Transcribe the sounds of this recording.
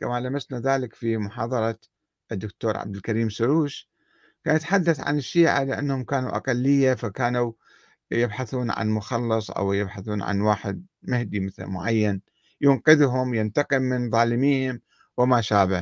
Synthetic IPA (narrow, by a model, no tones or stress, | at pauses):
kamalamasnaðaːlɪkfimʊħɑːðˤɑɾˤɑ | ʔɪd̪ːʊkt̪oːɾˤʕa̰bd̪ɪlkaɾiːmsʊɾuːʃ | kaːnjat̪ħad̪ːaθʕa̰nɪʃːiːʕa̰lɪʔanːhʊmkaːnuʔa̰qalːɪjːafakaːnu | jɪbħaθuːnʕa̰nmʊxɑlːɨsˤʔa̰wjɪbħaθuːnʕa̰nwaːħɪd̪̚ | mɪhd̪imɪθlmʊ̰ʕajːan | jʊnqɪðɦʊmjɪnt̪ɑqɪlːɪnðˤɑːlɪmiːhɪm | wɪmaʃaːba